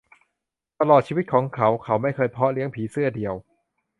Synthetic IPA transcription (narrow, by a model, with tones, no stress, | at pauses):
t̪a˧lɔː˨˩t͡ɕʰiː˧i˦˥kʰɔː˩˦ŋkʰa˩˦˥wkʰa˨˦˥wma˥˩jkʰɤː˧jpʰɔ˦˥li˦˥əŋpʰiː˩˦sɯ˥˩ɐdi˨əw